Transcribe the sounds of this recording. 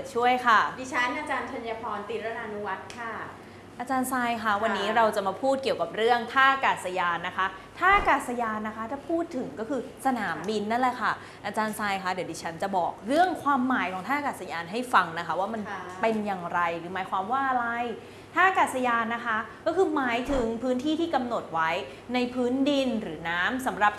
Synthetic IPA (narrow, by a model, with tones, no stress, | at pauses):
t̪̚t͡ɕʰu˥˩əjkʰa˥˩diː˧t͡ɕʰa˦˥nʔaː˧t͡ɕaː˧nt̪ʰa˧njaː˧kʰɔː˧nt̪i˨˩ɾa˧na˧nu˦˥wa˦˥t̪̚kʰa˥˩ | ʔaː˧t͡ɕaː˧nsaː˧jkʰa˦˥˩wa˧nːiː˦˥ɾa˧wt͡ɕa˨˩maː˧pʰuː˥˩t̪̚ki˨˩əwka˨˩p̚ɾɯ˥˩əŋt̪ʰaː˥˩kaː˨˩t̪̚sa˧jaː˧nːa˦˥kʰa˦˥ | t̪ʰaː˥˩kaː˨˩t̪̚sa˧jaː˧nːa˦˥kʰa˦˥t͡ɕa˨˩pʰuː˥˩t̪ʰːɯ˨˩˦ŋkɔː˥˩kʰɯː˧sa˧naː˩˦mbi˧nːa˦˥˩lɛ˨˩jkʰa˥˩ | ʔa˧t͡ɕaː˧nsaː˧jkʰa˦˥d̪i˩˦d̪ʰiː˧˥t͡ɕʰa˦˥nt͡ɕa˨˩bɔ̰ː˨˩k̚ɾɯ˥˩əŋkʰwaː˧mːaː˩˦jkʰɔː˨˩˦ŋt̪ʰaː˥˩a˨kaː˨˩t̪̚sa˧jaː˧nɦa˥˩jfa˧ŋna˦˥kʰa˦˥waː˥˩ma˧npe˧njaː˨˩ŋɾa˧jɾɯː˩˦maː˨˩˦jkʰwaː˧mwaː˥˩ʔa˧ɾa˧j | t̪ʰaː˥˩kaː˨˩t̪̚sa˧jaː˧nːa˦˥kʰa˦˥kɔː˥˩kʰɯː˧maː˩˦jt̪ʰɯ˨˩˦ŋpʰɯː˦˥nt̪ʰiː˥˩t̪ʰiː˥˩ka˧mno˨˩t̪̚wa˦˥j | na˧jpʰɯː˦˥ndi˧nɾɯː˩˦naː˦˥msa˩˦mɾa˨˩p̚